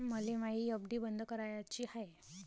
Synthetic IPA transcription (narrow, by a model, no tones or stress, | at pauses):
məlimaɦiəbd̪iːbənd̪ʱəkəɾajat͡ɕiːhaj